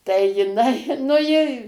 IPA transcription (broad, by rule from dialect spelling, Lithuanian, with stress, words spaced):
tɐɪ jɪˈnɐɪ nʊ ˈjɪ